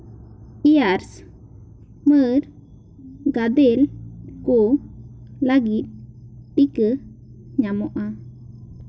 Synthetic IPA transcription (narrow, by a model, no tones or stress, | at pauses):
iaɾs | məɾ | ɡad̪ɛlko | laɡit̪̚ɗikə | ɲamɔʔa